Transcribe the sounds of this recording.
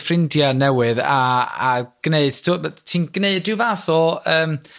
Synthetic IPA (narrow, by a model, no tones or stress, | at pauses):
frɪndjanɛwɨðaa̰ɡ̥neɨd̥tʰutʰiːnɡ̥neɨdɪvaθɔəːm